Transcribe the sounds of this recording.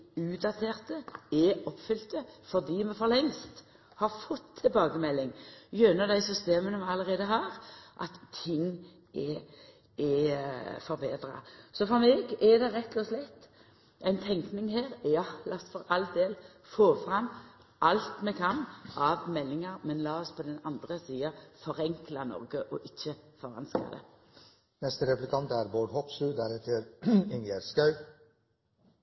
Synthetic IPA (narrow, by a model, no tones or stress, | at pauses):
ʉːd̪ɑt̪ʰeːʁt̪əɛɔpfʏlt̪əfɔʁd̪iːmɛfɔʁɾlɛŋst̪ | hɑɾfɔt̪ʰːɪlbɑːɡəmɛlːɪŋjœːnəd̪æɪsʏst̪eːmənəmɛɑləɾeːd̪əɦɑːɾʔɑ̰t̪ʰːɪŋː | ʔɛ | ɛ | fɔɾbeːd̪ɾɑ̰sɔfɔɾmɛːɡɛd̪ɛʁɛt̪loːslɛt̪ː | ʔæɪnt̪ʰɛŋknɪŋheːʁjɑlɑst̪fɔɾɑld̪eːl | foːfʁɑmː | ʔɑlt̪mɛkʰɑnʔɑʋmɛlːɪŋɑɾmɛnlɑːɔspʰɔd̪ɛnɑnd̪ʁəsiːɑfɔʁɛŋklɑnɔ̰ʁɡəʔɔʔɪçːəfɔʁɑ̰nskɑ̰d̪ɛ̰ | nɛst̪əɾɛplɪkʰɑnt̪æɾboːɖhɔpslʉːd̪æɾɛt̪ʰəɾɪnjeɾskɑʉ